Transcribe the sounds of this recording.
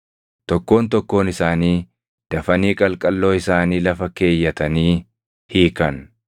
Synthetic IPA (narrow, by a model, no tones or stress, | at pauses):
t̪ɔkːo̞ːnt̪ɔkːo̞ːnɪsaːniː | d̪̥ɐfɐniːkʼɐlkʼɐlːo̞ːɪsaːniːlɐfɐke̞ːjːɐt̪ɐniː | hiːkɐn